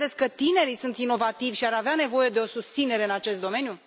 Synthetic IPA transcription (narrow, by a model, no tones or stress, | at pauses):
e̞skkət̪ine̞ɾisunt̪ino̞vat̪ivʲʃiaɾaveane̞vo̞je̞d̪e̞o̞sust̪sine̞ɾe̞ɨnat͡ʃe̞st̪̚d̪o̞me̞nju